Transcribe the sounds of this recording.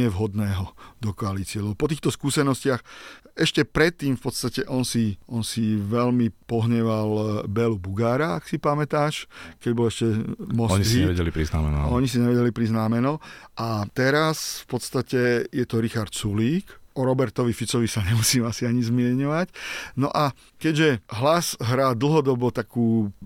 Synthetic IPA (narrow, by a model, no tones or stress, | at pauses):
ɛʋɦɔd̪nɛːɦɔd̪ɔkɔalit͡sɪɛlɛbɔpɔt̪̬iːxt̪ɔskuːsɛnɔscɪaxɛʃcɛpɾɛt̪ːiːmfpɔt̪st̪acɛʔɔnsiɔnsiʋɛlmipɔɦɲɛʋalbɛlubuɡaːɾaaksipamɛt̪aːʃkɛɟbɔlɛʃcɛmɔɔɲisiɲɛʋɛɟɛlipɾizna̰mɛ̰n̰ɔɲisiɲɛʋɛɟɛlipɾiznaːmɛnɔʔat̪ɛɾasfpɔt̪st̪acɛjɛt̪ɔɾixaɾt̪suliːkʔɔɾɔbɛɾt̪ɔʋifit͡sɔʋisaɲɛmusiːmasiaɲizmɪɛɲɔʋacnɔ̰ʔa | kɛɟʒɛɦlazɦɾaːd̪l̩ɦɔd̪ɔbɔt̪akuː